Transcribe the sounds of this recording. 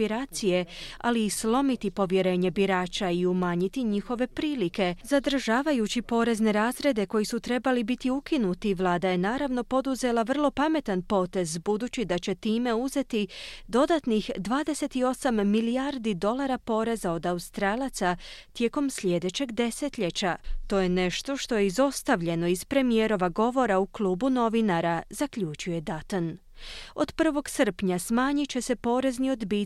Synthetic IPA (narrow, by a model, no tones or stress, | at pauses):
iɾaːt̪sije̞a̰liːslˠo̞mit̪ipo̞ʋje̞ɾe̞ːɲe̞biɾaːt͡ʃaiumaːɲit̪iɲixo̞ʋe̞pɾiːlike̞zad̪r̩ʒaːʋajut͡ɕipo̞ːɾe̞zne̞ɾaːzɾe̞d̪e̞ko̞jisut̪ɾe̞balibit̪iukinut̪iʋlˠaːd̪aje̞naːɾaʋnopo̞d̪uze̞lˠaʋər̩lˠo̞pame̞t̪anpo̞ːt̪e̞zbud̪uːt͡ɕid̪at͡ɕe̞t̪iːme̞uze̞t̪id̪o̞d̪at̪nixd̪ʋaːd̪e̞se̞t̪io̞samːiliaɾd̪id̪o̞lˠaɾapo̞ɾe̞zao̞d̪aust̪ɾaːlˠat̪sat̪je̞ko̞msʎʲe̞d̪e̞t͡ɕe̞ɡd̪e̞se̞t̪ʎe̞t͡ɕat̪o̞je̞ne̞ʃt̪o̞ʃt̪o̞jeizo̞st̪aʋʎe̞no̞iz̥pɾe̞mije̞ɾo̞ʋaɡo̞ʋo̞ɾauklˠuːbuno̞ʋinaɾazakʎʲut͡ʃuje̞d̪at̪on | o̞d̪pr̩ʋo̞ɡsr̩pɲasmaːɲit͡ɕe̞se̞po̞ːɾe̞znio̞d̪biː